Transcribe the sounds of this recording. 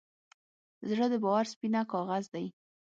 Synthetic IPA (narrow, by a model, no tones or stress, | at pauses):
zɽəd̪əbɑwaɾspinakɑɣazd̪aj